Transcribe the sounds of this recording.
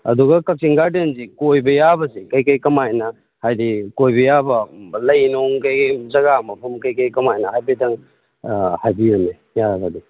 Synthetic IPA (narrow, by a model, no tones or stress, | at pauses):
ɐ̰duɡɐkɐk̚siŋɡaɾdenzikojbɐjabɐsekɐjkɐjkɐmajnɐ | hajdikojbɐjabɐlɐjnoŋkɐjzɐɡamɐpʰɐmkɐjkɐjkɐmajnɐɦajbedɐŋ | hajbiume | jaɡadi